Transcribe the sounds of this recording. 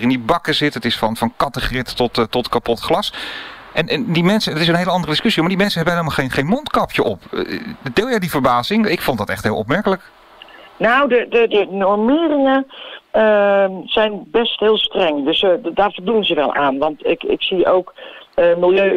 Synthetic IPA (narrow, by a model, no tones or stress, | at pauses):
rɪnibɑkəzɪtətɪsfɑnfɑnkɑtəχrɪtːɔtːɔtkapɔtχlɑsʔɛnʔɛndimɛnsədtɪsənɦejləɑndərədɪskøsiɔmaːdimɛnsəɦɛbənɦelemaχenχejnmɔntkɑpjəʔɔpd̥ɪːlˠjɛjdivəɹbaːzɪŋɪkfɔndɑtɛ̰χtɦɪːlˠɔ̰p̚mɛɹkələk | nawdədədənɔɹmɪːrɪŋəəz̥ɛjnbɛstɦɪːlˠstrɛŋdøsdaːɹvəlˠdunənzəʋɛ̰lˠʔa̰ːnʋɑntɪkɪ̰ksiʔowkəmɪlˠjøː